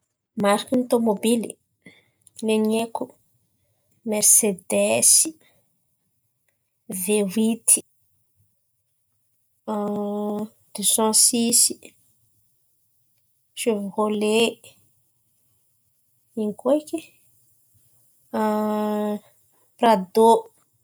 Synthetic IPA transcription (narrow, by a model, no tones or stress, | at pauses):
maɾakint̪omobili | leneku | mɛɾsed̪esi̥ | vewit̪ʰi̥ | d̪̥øsɑ̃sisi | ʃevhole | iŋkoeki | prad̪o